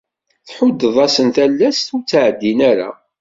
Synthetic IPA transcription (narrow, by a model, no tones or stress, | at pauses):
θħʊd̪ːəðˤɑsənt̪ælːæst̪ut͡sːʕəd̪ːinæɾa̰